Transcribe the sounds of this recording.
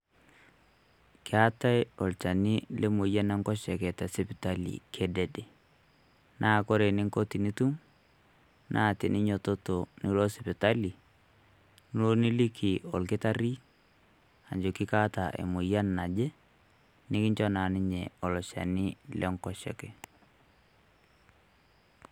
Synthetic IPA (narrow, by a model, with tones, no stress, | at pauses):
kɪ˦a˦ta˦jɔ˨lt͡ʃa˨ni˦le˦mʊ˨ja˦nɛ˦ŋkɔ˦ʃɛ˨kɛ˨tɛ˨sɪ˦pɪ˨ta˦lḭ˨kʰe˦de˨de˨ | nʔaː˦˨ko˦ɾe˨nɪ˦ŋko˦ti˨ni˦tu˦m | nʔaː˦˨tɪ˨nʔɪ˦ɲo˨to˦to˨ni˦lo˦sɪ˨pɪ˨ta˦li˨ | n˦lo˦ni˦li˦kʰi˨ɔ˨lkɪ˦ta˦ɾi˦ | a̰˨ɲd͡ʒo˨kɪ˦ka˦ta˨ʔḛ˨mʊ˨ja˦nːa˨d͡ʒe˦ | nɪ˦kɪ˦ɲt͡ʃɔ˦na˨nɪ˦ɲe˨ɔ˨lɔ˨ʃa̰˨nɪ˦lɛ˦ŋkɔ˦ʃɛ̰˨kɛ˨